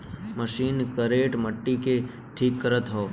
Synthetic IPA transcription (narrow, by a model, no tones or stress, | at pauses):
məʃinkəɾeʈməʈːike | ʈʰikːəɾət̪ɦo